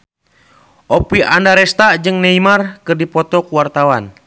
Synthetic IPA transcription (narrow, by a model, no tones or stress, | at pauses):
ʔɔpiandaɾɛst̪ad͡ʒɨŋnɛimarkɨrdipɔt̪ɔkuwart̪awan